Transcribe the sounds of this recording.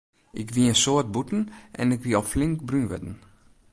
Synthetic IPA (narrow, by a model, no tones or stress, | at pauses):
ʔɪ̰kʋiənsoət̚butn̩ʔɛ̰nɪkʋiɔflɪŋkbrynʋɛ̰dn̩